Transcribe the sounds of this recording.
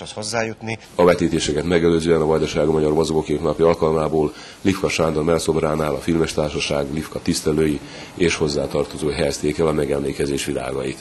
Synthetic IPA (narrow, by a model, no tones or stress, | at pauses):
shozːaːjut̪ni | ɒvɛt̪iːt̪eːʃɛkɛt̪mɛɡɛløːzøːɛnɒvɒjd̪ɒʃaːɡumɒɟɒrmozoɡokeːt̪nɒpiɒlkɒlmaːboːl | lifkɒʃaːnd̪ormɛlso̞braːnaːlɒfilmɛʃt̪aːrʃɒʃaːɡlifkɒt̪ist̪ɛløːji | eːʃho̞zːaːt̪ɒrt̪o̞zoːɦɛjɛst̪eːkɛlɒmɛɡɛmleːkɛzeːʃʋila̰ːɡɒjit̪